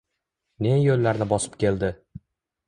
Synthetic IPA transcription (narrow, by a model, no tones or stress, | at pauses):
ne̞jolːaɾnɪbɒsɪ̥p̚kʲe̞ld̪ɪ